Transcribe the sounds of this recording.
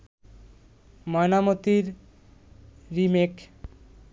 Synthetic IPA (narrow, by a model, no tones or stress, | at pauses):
mɔenamot̪iɾ | imek